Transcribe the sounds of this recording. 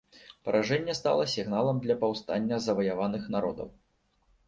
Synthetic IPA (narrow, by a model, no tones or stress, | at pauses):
pɐɾʔaʐɛnʲːɛst̪a̰lˠɐsʲiɣnalˠɐmd̪lʲɐpawst̪anʲːɐzɐvɐjavanɨxnaɾɔ̰d̪ɐ̰w